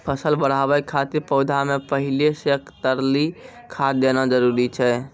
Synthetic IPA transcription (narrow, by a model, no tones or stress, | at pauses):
pʰəsəlbəɽ̤abɛkkʰːat̪iɾpəʊd̪ʱamepəɦilesekt̪əɾlikʰad̪enad͡ʒəɾuɾit͡ʃʰɛ